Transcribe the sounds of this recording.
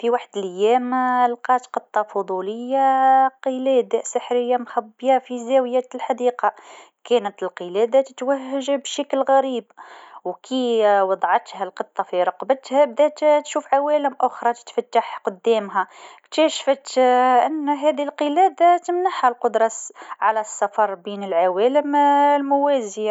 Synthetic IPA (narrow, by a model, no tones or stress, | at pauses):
fiwaħd̪lʔæjːæmlqɑt̪qət̪ˤːɑfʊd̪ˤuləjːaqəlæd̪asəħɾəjːamxæbːjafizæwjæt̪lħad̪iːqɑ | kænət̪əlqəlæd̪at̪ə̥t̪wæhːaʒabʃæklɣæɾiːbwkʰiwɑd̪ˤʕɑt̪hælqɨt̪ˤːɑfiɾˤɑqbət̪hæbd̪æt̪t̪ʃuːfʕawæːləmʔʊxɾˤɑt̪ə̥t̪fæt̪ːaħqʊd̪ːæːmɦækt̪æʃfət̪ʔɪnːɦæd̪ilqəlæːd̪at̪əmnaħhælqʊd̪ɾˤɑsʕalæsːɑfɑɾˤbinəlʕawæləmlmʊwæzja